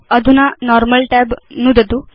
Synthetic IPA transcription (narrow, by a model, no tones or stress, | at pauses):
əd̪ʱunanɔɾməlʈɛbnud̪ət̪u